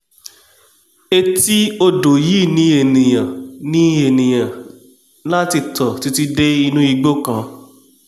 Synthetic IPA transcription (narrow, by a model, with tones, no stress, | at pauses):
e˧ti˦o˧do˨ji˨˦˨nĩ˧˦e˨nĩ˨jã˨nĩ˦e˨nĩ˨j̃ã˨ | la˦ti˧˨tɔ˨ti˧ti˦de˦i˧nũ˦i˧ɡ͡bo˦kã˧˦